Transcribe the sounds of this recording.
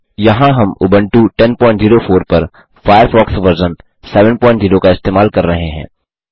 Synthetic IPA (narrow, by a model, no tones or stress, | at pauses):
jɐɦãɦɐmʊ̰bə̃ɳʈuʈɛnpɔ̃ːɪ̃ɳʈziːɾofʰoːɾpɐɾ | fʰaːjəɾfɔːksʋɐɾzən | sɛːʋə̃npɔ̃ːɪ̃ɳʈziːɾokaɪst̪eːmaːlkɐɾːɐɦẽɦɛ̰̃ː